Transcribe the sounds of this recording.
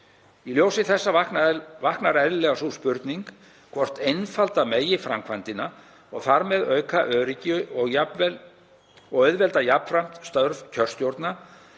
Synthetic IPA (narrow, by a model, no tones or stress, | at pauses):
iljoːwsɪθɛsːavahknaɛvahknaɾɛðɪlɛɣasuspʏɾt̪niŋk | kʰvɔr̥t̪ejnfalt̪ameːjɪfɾamkʰvant̪ɪna | ɔɣθaɾmɛðœːɥkʰaʔœːɾɪcɪʏɔɣjavɛ | ɔɣœɥðvɛlt̪ajapfɾam̥t̪st̪œɾvcʰœr̥st̪jowɾt̪na